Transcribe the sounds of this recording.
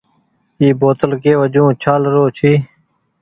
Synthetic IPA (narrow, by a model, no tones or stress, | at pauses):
iːboːt̪əlkeːʋəd͡ʑũːt͡ɕʰaːlɾoːt͡ʃʰiː